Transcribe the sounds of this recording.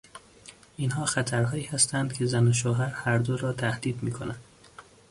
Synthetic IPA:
ʔinɦɒːxæt̪ʰæɾɦɒːiːhæst̪ænd̪̥kʰe̞zænoʃ̬oːɦæɾhæɾd̪oɾɒːt̪ʰæhd̪iːd̪miːkʰonænd̪̥

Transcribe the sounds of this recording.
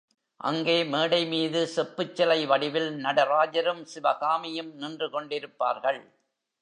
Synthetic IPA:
ʔɐ̰ŋɡeːmeːɽɐɪmiːðɯsɛpːɯt͡ʃːɐlɐɪʋɐɽɪʋɪlnɐɽɐɾaːd͡ʒɐɾɯmsɪʋɐɣaːmɪjɯmnɪndrɯkɔɳɖɪɾɯpːa̰ːɾɣɐɭ

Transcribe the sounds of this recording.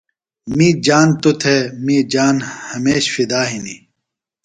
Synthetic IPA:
miːd͡ʑaːnt̪ut̪ʰemiːd͡ʑaːnhɐmeːɕfid̪aːɦini

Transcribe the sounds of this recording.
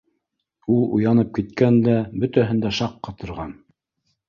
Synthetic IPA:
ulˠṵjɑnɤp̚kit̪kænd̪æbɵt̪æɦɘ̆nd̪æʃɑqːɑt̪ŏɾʁɑn

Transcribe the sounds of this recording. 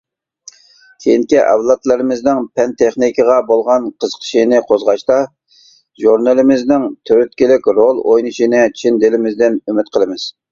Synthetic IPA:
kʲʰejiŋkʲiʔɛ̰wlˠɑt̪lˠɨɾɨmɪznɪŋpʰɛnt̪ʰeχnikʲəʁɑbolˠʁɑnqʰəzqʰə̥ʃinɨqʰozʁɑʃt̪ɑ | ʒuɾnɨlˠɪmɪznɪŋt̪ʰøɾyt̪̚kʲilɪkʲɾolˠojnɨʃinɨt͡ʃʰind̪ɪlɪmɪzd̪ɪnymɪt̪qʰəlˠɨmɪz̥

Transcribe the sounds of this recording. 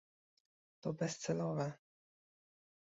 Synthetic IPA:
t̪ɔbɛst̪sɛlɔvɛ

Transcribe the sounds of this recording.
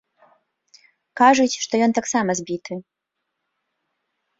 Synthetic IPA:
kaʐut͡sʲʂt̪ɔjɔnt̪aksamɐzʲbʲit̪ɨ

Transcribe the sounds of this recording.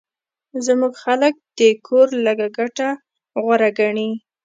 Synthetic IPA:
zmuɡxalək̚d̪̥əkʰoɾləɡaɡaʈa | ɣwaɾaɡaɳi

